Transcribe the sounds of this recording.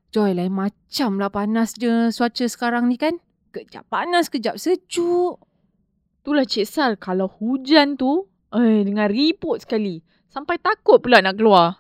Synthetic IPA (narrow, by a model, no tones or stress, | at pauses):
d͡ʒɔjlainmat͡ʃamlahpanasd͡ʒəsuat͡ʃəsə̥kaɾaŋnikan | kəd͡ʒa̰pːanaskəd͡ʒap̚sət͡ʃuʔ | t̪ulaht͡ʃesalkalawhud͡ʒant̪u | ədəŋãnripɔt̪̚sə̥kali | sampajt̪akʊt̪̚pulanaʔkəlua